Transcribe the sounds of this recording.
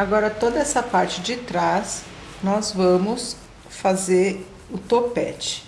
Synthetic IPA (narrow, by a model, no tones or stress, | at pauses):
aɡɔɾɐt̪od̪ɐɛsɐpaɾt͡ʃɪd͡ʒɪt̪ɾas | nɔzvɐ̃mʊs | fazeɾ | ʊt̪opɛ̰t͡ʃɪ̥